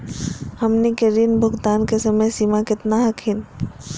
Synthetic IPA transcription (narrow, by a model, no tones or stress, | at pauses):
hɐmnikeɾinbʱʊɡd̪aːnkesəməjsiːmakɪt̪naɦɐkʰin